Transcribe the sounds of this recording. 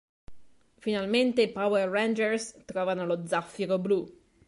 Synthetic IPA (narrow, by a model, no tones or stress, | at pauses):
finalment̪epaweːend͡ʒɛrst̪ɾɔːvanolod̪zafːiɾoblu